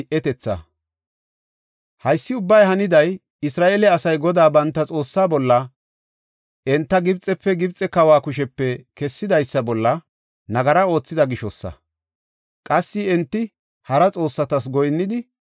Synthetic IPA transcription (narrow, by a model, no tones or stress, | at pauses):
ʔɛt̪ɛt͡sːɐ̰ | hɐjsːɪʊbːɐjɦɐnɪd̪ɐj | ɪsɾaːʔeːlɛɐsɐjɡɔd̪aːbɐnt̪ːɐt͡sʼo̞ːsːaːbɔlːɐ | ʔɛnt̪ːɐɡɪbt͡sʼːɛpːɛɡɪbt͡sʼːɛkɐwaːkʊʃ̬ɛpːɛkɛsːɪd̪ɐjsːɐbɔlːɐ | nɐɡɐɾɐo̞ːt͡sːɪd̪ɐɡɪʃɔsːɐ̰ | kʼɐsːɪɛnt̪ːɪ | hɐɾɐt͡sʼo̞ːsːɐt̪ɐs̬ɡɔjnːɪd̪ɪ